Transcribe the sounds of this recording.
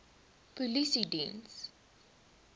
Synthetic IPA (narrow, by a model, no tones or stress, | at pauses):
pulisidḭ̃ns